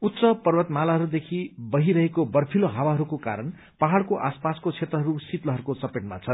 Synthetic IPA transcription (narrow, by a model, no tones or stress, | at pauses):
ut̪ːsʌpʌrwʌt̪malaɦʌɾud̪ekʰibʌɦiɾʌɦekobʌrpʰiloɦawaɦʌɾukoka̰ɾʌn | paɦaɽkoʔaspaskot͡sʰet̪ɾʌɦʌɾusit̪lʌɦʌɾukosʌpeʈma̰t͡sʰʌ